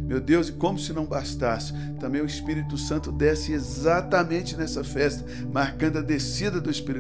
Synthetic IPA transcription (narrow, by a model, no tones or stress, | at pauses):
mewd̪ewzɪkõmʊsɪnɐ̃w̃bast̪asɪ̥ | t̪ɐ̃mbẽj̃ʊispiɾit̪ʊsɐ̃nt̪ʊd̪ɛsɪezat̪ɐmẽnt͡ʃɪnɛsɐfɛst̪ɐ | maɾkɐ̃nd̪ʊɐd̪esid̪ɐd̪ʊispiɾi